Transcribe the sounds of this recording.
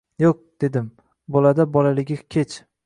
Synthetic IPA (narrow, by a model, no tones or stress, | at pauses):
joq̚d̪̥e̞d̪ɪm | bɒlad̪abɒlalɪɡʲɪkʲʰet͡ʃ